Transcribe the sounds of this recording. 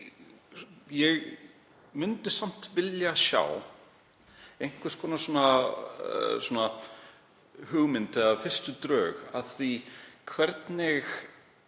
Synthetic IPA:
jɛɣ | mʏnt̪ɪsam̥t̪vɪljasja̰ːw | ejŋ̥kʰvɪskʰɔːnasɔːna | sɔːna | hʏɣmɪnt̪ɪafɪr̥st̪ʏt̪ɾœːɣaðθikʰvɛɾt̪nɪx

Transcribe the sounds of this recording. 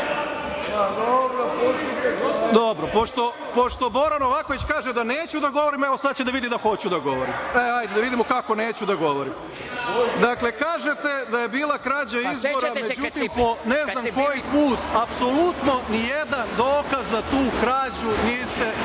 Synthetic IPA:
d̪obɾ | d̪obɾopoʃt̪o̞ | po̞ʃt̪o̞bo̞ɾano̞ʋako̞ʋit͡ɕkaːʒed̪aneːt͡ɕud̪aɡo̞ʋoɾimeʋosad̪̚t͡ɕed̪aʋid̪id̪axo̞t͡ɕud̪aɡo̞ʋoɾḭmeajd̪ed̪aʋid̪imokako̞ne̞ːt͡ɕud̪aɡo̞ʋoɾim | d̪akle̞kaːʒe̞t̪e̞d̪aje̞biːlˠakɾaːd͡ʑaizboɾamed͡ʒut̪immpo̞nezamkojipuːt̪apsolˠut̪no̞nijed̪and̪oːkazːat̪uːkɾaːd͡ʑuniːst̪e

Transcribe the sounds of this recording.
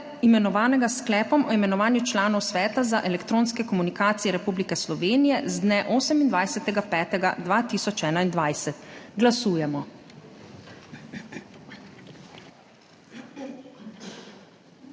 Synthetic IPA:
imɛnɔʋaːnɛɡasklɛːpɔmɔimɛnɔʋaːnjut͡ʃlaːnɔwsʋɛːt̪azaʔɛlɛkt̪ɾoːnskɛkɔmunikaːt̪sijɛɾɛpublikɛslɔʋeːnijɛzd̪nɛʔoːsɛmind̪ʋajsɛt̪ɛɡapɛːt̪ɛɡa̰d̪ʋat̪iːsɔt͡ʃɛːnaind̪ʋajsɛt̪ɡlasuːjɛmɔ

